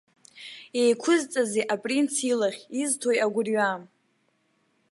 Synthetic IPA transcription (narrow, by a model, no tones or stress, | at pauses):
ejkʷʰʊzt͡sʼazeʔapʼrint͡sʰilaχʲiztʰojaɡʷʊrɥam